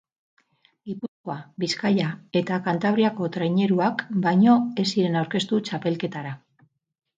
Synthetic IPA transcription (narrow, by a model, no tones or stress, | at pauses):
ɡipusko̞aβiskajae̞t̪akant̪aβɾiako̞t̪ɾejɲe̞ɾuakbajɲo̞e̞siɾe̞nawɾke̞st̪ut͡ʃape̞lke̞t̪aɾa